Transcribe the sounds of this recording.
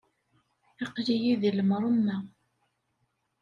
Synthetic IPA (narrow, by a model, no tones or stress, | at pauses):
iqlijiðiləmɾˤəmːæ